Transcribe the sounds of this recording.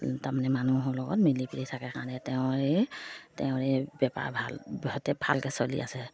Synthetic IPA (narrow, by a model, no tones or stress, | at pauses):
tamanɛmanuɦɔlɔɡɔ̰tmilipiɹitʰakɛkaɹɔnɛtɛʊ̃ɹɛtɛʊ̃ɹɛbɛpa̰ɹbʱalbɔtɛbʱa̰lkɛsolḭʔa̰sɛ